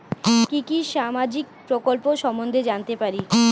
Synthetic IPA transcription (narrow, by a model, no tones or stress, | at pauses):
kikiʃamad͡ʑik̚pɾokolpoʃɔmond̪ʱed͡ʑant̪epaɾi